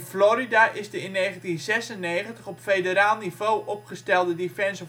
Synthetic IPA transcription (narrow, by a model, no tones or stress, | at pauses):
floɾidaʔɪsdəɪnːeːχəntinzɛsənːeːχəntəχɔpfedəɾaːlˠniv̥oːʔɔpχəstɛlˠdədifɛnsə